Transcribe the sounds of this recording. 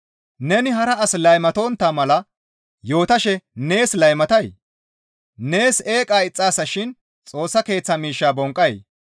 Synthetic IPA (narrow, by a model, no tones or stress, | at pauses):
nɛnɪɦɐɾɐɐslɐjmɐt̪o̞ːnt̪ːaːmɐlɐ | jo̞ːt̪ɐʃɛne̞ːslɐjmɐt̪ɐj | ne̞ːse̞ːkʼaːɪt͡sʼːaːsɐʃɪn | t͡sʼo̞ːsːɐke̞ːt͡sːɐmiːʃːaːbɔŋkʼːɐj